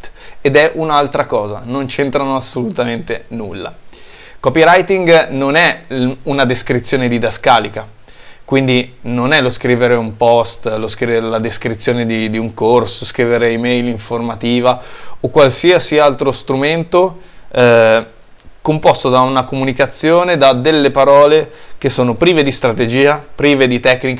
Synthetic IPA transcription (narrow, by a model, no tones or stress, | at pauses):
ed̪ɛʔunalt̪ɾakɔːzanont͡ʃent̪ɾanoasːolut̪ament̪enulːa̰ | kɔpiɾajt̪iŋɡnonɛunad̪eskɾit̪sːjoːned̪id̪askaːlika | kwind̪inonɛloskɾiːveɾeumpɔst̪loskɾilad̪eskɾit̪sːjoːned̪id̪iuŋkorsoskɾiːveɾeimɛjliɱformat̪iːvaokːwalsiasialt̪ɾost̪ɾument̪o | kompost̪od̪aunakomunikat̪sːjoːned̪ad̪elːepaɾɔːlekesːoːnopɾiːved̪ist̪ɾat̪ed͡ʒiːapɾiːved̪it̪ɛkːnika